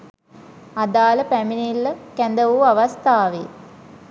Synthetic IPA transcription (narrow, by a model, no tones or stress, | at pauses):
ad̪aːləpæminilːəkænd̪əʋuaʋɐst̪aːʋe